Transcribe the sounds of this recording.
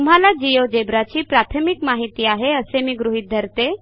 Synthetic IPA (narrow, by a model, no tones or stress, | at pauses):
t̪um̤ɦalad͡ʑijod͡ʒebɾat͡ɕiːpɾat̪ʰəmikmaɦit̪iaɦeəsemiːɡɾuɦid̪ʱəɾt̪e